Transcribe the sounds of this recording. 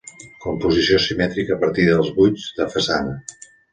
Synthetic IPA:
kumpuzisiosimɛt̪ɾikəːpəɾt̪iðəlˠzβud͡zd̪əfəsanə

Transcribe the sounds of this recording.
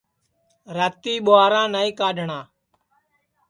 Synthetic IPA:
ɾaːt̪iːɓoaːɾãːnaːiːkaːɖʱɳãː

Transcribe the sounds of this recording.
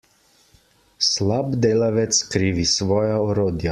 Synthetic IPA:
slabd̪eːlaʋɛt̪skɾiːʋisʋɔːjaɔɾoːd̪ja

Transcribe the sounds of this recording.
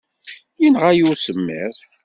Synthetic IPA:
jinʁæjusəmːḭð

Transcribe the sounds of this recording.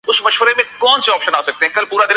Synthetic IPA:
ʊsmɐʃʋəɾemẽkɔːnseɔːpʃənaːsɐk̚t̪eɦɛ̃ːkɐlpuːɾad̪ɪ

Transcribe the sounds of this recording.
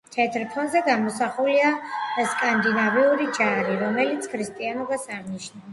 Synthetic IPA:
t̪ʰɛt̪ʰɾpʰɔnzɛɡamɔsaχuliaskʼand̪inaviuɾid͡ʒaɾiɾɔmɛlit̪sʰkʰɾist̪ʼianɔbasaʁniʃna

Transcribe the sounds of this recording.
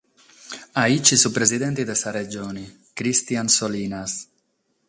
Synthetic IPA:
ait͡ʃisupɾezid̪ent̪id̪esared͡ʒoni | kɾist̪iansolinas

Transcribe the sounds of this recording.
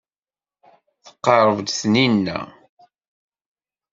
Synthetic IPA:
θə̥qːɑɾˤəvd̪θninːæ̰

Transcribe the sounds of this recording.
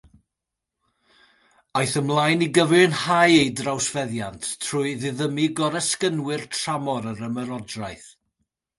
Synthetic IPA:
ajθəmlˠajniɡəvɨnhajejdrawsvɛðjantʰtʰr̥ʊɨðɪðəmiɡɔɾɛskənwɨrtʰr̥amɔɾəɾəməɾɔdrajθ

